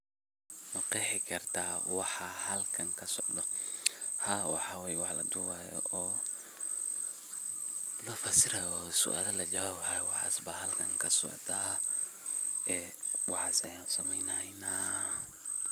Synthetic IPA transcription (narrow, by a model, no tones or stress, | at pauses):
mʊqɛħɪkʰɐrt̪ʰaːwɑħɑhɐlkʰɐŋkʰɐsɔʕd̪ɔ | haːwɑ̰ħaːwɛːjwɑħlɐ̰d̪ʊwaːjɔ̰ʔɔː | lɔfɐsɪɾɐjɔsʊ̰ʔa̰ːlɐlɐd͡ʒɐwaːbhajwɑħa̰ːsbɐɦɐlkʰɐŋkʰɐsɔ̰ʕd̪a | ɛː | wɑħɑːsɐjaːnsɐmɛjnɐjnaː